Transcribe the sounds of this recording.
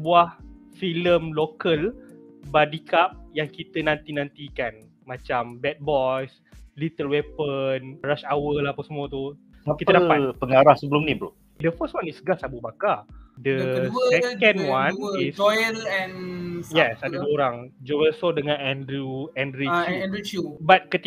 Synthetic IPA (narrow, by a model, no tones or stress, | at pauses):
əbuahfiləmlokəlbadikap̚jaŋkit̪ənãnt̪inãnt̪ikan | mãt͡ʃambɛt̪̚bɔs | lit̪əlwɛpənɾaʃawəlapasmuət̪u | akitadaapəŋaɾahsəbəlumnibə | dəfəstwãnisɡasabubakadəsɛkə̃nwanisɔjəlɛ̃njɛsadəduəoɾaŋd͡ʒowəlsodəŋãnɛndɾuɛndɾit͡ʃuɛ̃ndɾut͡ʃubat̪̚kət̪i